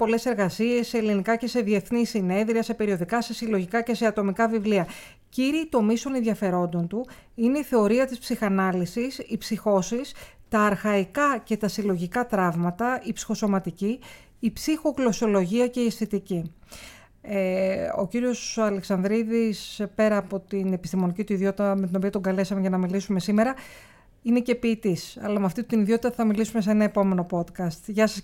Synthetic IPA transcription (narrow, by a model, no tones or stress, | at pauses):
po̞le̞se̞ɾɣɐsie̞sːe̞ːlinikɐce̞se̞ðie̞θnisine̞nðɾiɐse̞pe̞ɾio̞ðikɐse̞silo̞ʝikɐce̞se̞ɐt̪o̞mikɐvivliɐ | ciɾiːt̪o̞mist̪o̞ne̞nðʝɐfe̞ɾo̞nd̪o̞nt̪u | ineiθe̞o̞ɾiɐt̪ispsixɐnɐlisisipsixo̞sist̪ɐːɾxɐikɐce̞t̪ɐsilo̞ʝikɐt̪ɾɐvmɐt̪ɐipsi̥xo̞so̞mɐt̪iciː | psixo̞klo̞sio̞lo̞ʝiɐce̞iesθet̪ici | eo̞̰ciɾio̞sɐleksɐnðɾiðispe̞ɾɐːpo̞t̪ine̞pist̪imo̞nicit̪uiðio̞t̪it̪ɐme̞t̪ino̞piɐt̪o̞ŋɡɐle̞sɐmeʝɐnɐmilisume̞sime̞ɾɐ | ine̞ce̞piːt̪isɐ̰lɐmɐft̪it̪iniðjio̞t̪it̪ɐθɐmilisume̞s̬eenɐepo̞me̞no̞po̞t̪kɐst̪ʝɐsɐs